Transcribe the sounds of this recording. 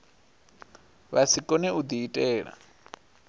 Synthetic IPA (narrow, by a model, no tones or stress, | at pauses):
βasʰikʼɔnɛud̪iːtʼɛːɺa̰